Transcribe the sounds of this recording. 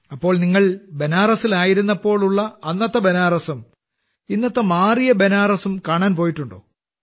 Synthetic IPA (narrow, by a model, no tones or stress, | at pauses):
ɐpːo̞ːɭniŋːɐɭbe̞naːrɐsilaːjiɾunːɐpːo̞ːɭuɭːɐɐnːɐt̪ːɐbe̞naːrɐsɐm | inːɐt̪ːɐmaːrijɐbenaːrɐsumkaːɳaːnpo̞ːjiʈːuɳɖo̰ː